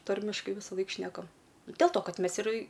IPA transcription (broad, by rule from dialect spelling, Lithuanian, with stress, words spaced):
ˈtɐrʲmʲɪʃkɐɪ ʋʲɪsɐˈlˠɐɪk ˈʃʲnʲæːkɐm dʲɛlˠ toː ˈkɐt ˈmʲɛs ɪr